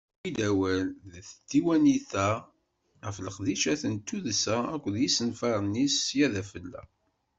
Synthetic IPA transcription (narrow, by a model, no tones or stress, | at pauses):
iðæwælðθət̪ːiwæniθæ | ʁəfləqðiʃæθənt̪ːuðsæækʷːəðjisənfɑɾˤnisjæðæfəlːæ̰